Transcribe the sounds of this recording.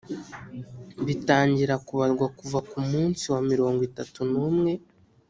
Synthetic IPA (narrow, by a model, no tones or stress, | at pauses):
βitaːɲɟiɾakuβaɾɡwakuvakumuːnsiwamiɾo̞ːŋɡwitatunuːmŋe̞